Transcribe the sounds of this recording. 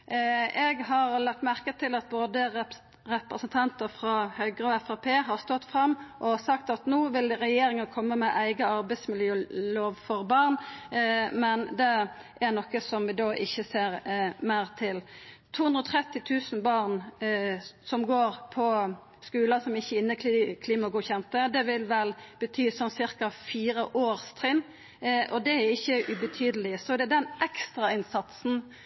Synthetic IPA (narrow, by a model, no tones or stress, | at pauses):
ɛɡɦɑɾlɑt̪mæʁkət̪ʰɪlɑt̪̚boːd̪ə | ʁɛpɾəsənt̪ʰɑnt̪əɾfɾɑhœʏɡʁəɔɛfɑpʰeːɦɑʁst̪ɔt̪ːfʁɑmːʔɔsɑkt̪ɑt̪nuːʋɪlʁɛjeːɾɪŋɑkʰɔmːəmɛʔæɪɡəɑɾbæɪsmɪljøːloːʋfɔɾbɑʁn | mɛnd̪ɛ | ʔæɾnɔkːəsɔmʋɪd̪oːʔɪçːəseːɾmæɪɾt̪ʰɪlt̪ʰuːhʉnd̪ɾəɔːt̪ʰɾɛt̪ːɪt̪ʰʉːsn̩bɑʁn | sɔmɡoːɾpʰɔ | skʉːlɑsɔmɪçːəɪnːək̪kʰliːmɔɡuːçɛnt̪əd̪ɛʋɪlʋɛlb̥ət̪ʰyːsɔmsɪɾkɑfiːɾəʔoːɾst̪ʰɾɪn | ʔɔd̪ɛæɾɪçːəʔʉbət̪ʰyːd̪əlɪsɔd̪ɛæd̪ɛnʔɛkst̪ɾɑɪnsɑt̪sn̩